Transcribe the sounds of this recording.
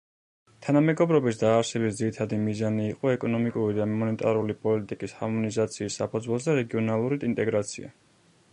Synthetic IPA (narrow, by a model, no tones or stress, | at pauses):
t̪ʰanamɛɡɔbɾɔbisd̪aːɾsɛbis̬d̪ziɾit̪ʰad̪imizaniːqʼɔɛkʼɔnɔmikʼuɾid̪amɔnɛt̪ʼaɾulipʼɔlit̪ʼikʼisha̰mɔnizat̪sʰiːsːapʰɔd̪zwɛlˠsd̪aɾɛɡiɔnalˠuɾid̪int̪ʼɛɡɾat̪sʰḭa̰